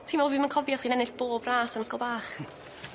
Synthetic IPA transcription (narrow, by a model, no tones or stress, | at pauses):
tʰiːmɔvɪmənkʰɔvjɔsiːnɛnɪɬb̥oːbraːsanəskɔlˠbaːχ